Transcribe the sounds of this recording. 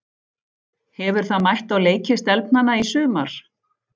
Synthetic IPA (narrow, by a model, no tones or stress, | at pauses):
hɛvʏɾ̥θaðmajht̪aɣleːjcɪst̪ɛlpnanːaisʏːma̰ɾ̥